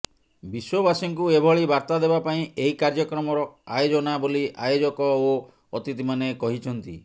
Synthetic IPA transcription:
biswɔbasiŋkuebʱɔɭibaɾt̪ad̪ebapaĩeɦikaɾd͡ʒɔkɾɔmɔɾɔajod͡ʒɔnaboliajod͡ʒɔkɔoː | t̪it̪imanekɔɦit͡ʃʰɔnt̪i

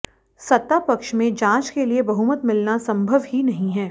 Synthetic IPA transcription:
sɐt̪ːapɐkʃmẽd͡ʒãːt͡ʃkeliebɐɦuːmət̪mɪlnasɐ̃mbʱəʋɦinɐɦĩɦɛː

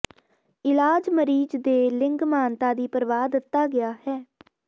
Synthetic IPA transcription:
ɪlaːd͡ʒməɾiːd͡ʒd̪eːlɪŋɡmaːnt̪aːd̪iːpəɾʋaːd̪ɪt̪ːaːɡɪaːhɛː

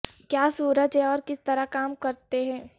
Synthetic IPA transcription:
kjaːsuːɾəd͡ʒɦɛ̃ɔːɾkɪst̪ɐɾakaːmkɐɾt̪eɦɛ̃ː

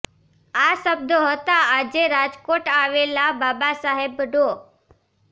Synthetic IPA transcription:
aʃəb̚d̪ʱoɦət̪aad͡ʒeɾad͡ʒkoʈaʋelababasaɦebəɖo

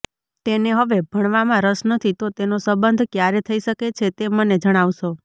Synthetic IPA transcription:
t̪eneɦəʋebʱəɽ̃ʋamãɾəʃnət̪ʰit̪ot̪enosəbənd̪ʱkjaɾet̪ʰəiʃəket͡ʃʰet̪eməned͡ʒəɽ̃aʋʃo

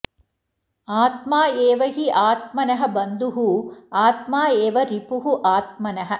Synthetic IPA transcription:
aːt̪maːeːʋɐɦiʔaːt̪̚mɐnɐɦɐ̆bɐnd̪uɦuaːt̪maːeːʋɐɾipuɦuʔaːt̪̚mɐnɐɦɐ̆

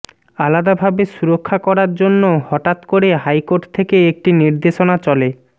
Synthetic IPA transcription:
alad̪abʱabeʃuɾokʰːakɔɾaɾd͡ʑonːohɔʈat̪koɾeɦajkoɾʈt̪ʰekeek̚ʈiniɾd̪eʃonat͡ɕɔle

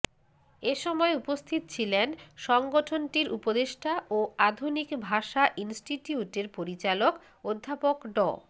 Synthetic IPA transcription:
eʃɔmɔeupost̪ʰit̪ot͡ɕʰilenʃɔŋɡoʈʰonʈiɾʔupod̪eʃʈʰaʔoad̪ʱunikbʱaʃaʔinsʈiʈiuʈeɾpoɾit͡ɕalok | od̪ʱːapokɖɔ̰

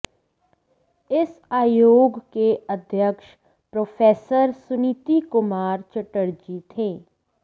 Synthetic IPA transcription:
ɪsaːjoːɡkeʔəd̪ʱjəkʃ | pɾoːpʰeːsəɾsʊnit̪ikʊmaːɾt͡ʃəʈəɽd͡ʒit̪ʰeː

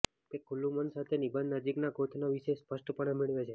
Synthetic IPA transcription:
kekʰulːũmənsat̪ʰenibə̃nd̪nəd͡ʒiknaɡot̪ʰnaʋiʃespəʂʈəpəɽemiɭʋet͡ʃʰe

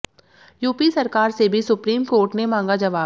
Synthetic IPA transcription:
juːpisɐɾkaːɾsebʱisʊpɾiːmkoːɾʈnemãːŋɡad͡ʒɐʋaː

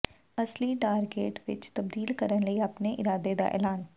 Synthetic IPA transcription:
əsliːʈaːɾɡeːʈʋɪ̰t͡ʃt̪əbd̪iːlkəɾənləiːapneʔɪɾaːd̪ed̪a̰ːʔɛ̰ːlaːn

